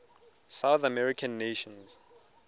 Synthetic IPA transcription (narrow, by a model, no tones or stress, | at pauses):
sawθamɛɹikʰãnːeʃɔ̃nz